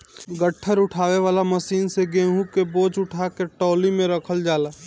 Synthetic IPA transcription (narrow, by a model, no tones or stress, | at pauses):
ɡəʈʰːəɾʊʈʰaːʋeʋaːlaməsiːnseɡeːɦũkeboːd͡ʒʊʈʰakeʈɔːlimẽɾəkʰəld͡ʒaːlaː